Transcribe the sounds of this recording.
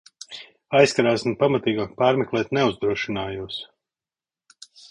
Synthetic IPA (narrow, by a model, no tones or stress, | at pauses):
ajskaɾaːsinpamat̪iːɡaːk̚paːɾmɛklˠɛːt̪nɛuzd̪ɾuɔʃinaːjuːs